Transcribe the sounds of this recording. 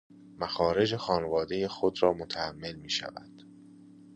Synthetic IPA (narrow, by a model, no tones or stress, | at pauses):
mæxɒːɾe̞d͡ʒe̞xɒːnevɒːd̪e̞jexod̪ɾɒːmot̪ʰææmːe̞lmiːʃæ̰væ̰d̪̥